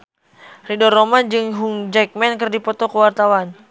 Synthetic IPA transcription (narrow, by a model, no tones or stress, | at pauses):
ridɔrːomand͡ʒɨŋɦuŋd͡ʒɛk̚mɛnkɨrdipɔt̪ɔkəwart̪awan